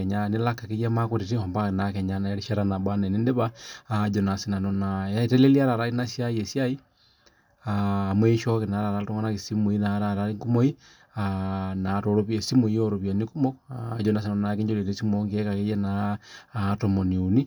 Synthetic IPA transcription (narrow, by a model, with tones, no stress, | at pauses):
ɲa˦ne˦la˦ka˨ke˦ja˦ma˦koɾe˨ti˦ɔ˨mba˦ke˨na˨kɛ˨ɲa˨na˨˦ɾi˦ʃa˦ɾana˨bwa˦nɛ˨ne˦nde˦βaː˦d͡ʒɔ˨na˨si˦na˨nɔ˨na˨a˦i˨tɛ˦le˦li˦a˦ɾa˨ɾa˦i˦na˦sja˦je˨sja˦i˦ | aː˨mwe˦ʃɔ˦ke˨na˨˦ɾa˨ɾa˨to˦ŋa˦na˦ke˨si˦mu˨i˦na˨ɾaɾa˦i˦ŋku˦mo˦i˦ | ana˨to˨ɾo˨βie˨si˦mu˨ijo˦ɾo˨βja˨ni˦ku˦mɔ˦d͡ʒɔ˨na˨si˨na˨ɔ˦na˨ke˦ɲd͡ʒo˦le˨te˦si˦mɔ˦ŋɡi˦ɛ˦ka˨ke˦ja˦naː | tɔ˨mɔ˨ni˨u˨ni˦